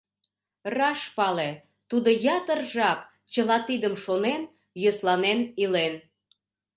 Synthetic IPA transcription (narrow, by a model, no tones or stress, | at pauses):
rɑʃpɑle | t̪ud̪ojɑt̪ərʒɑk̚ | t͡ɕəlɑt̪id̪əmʃonen | joslɑnenilen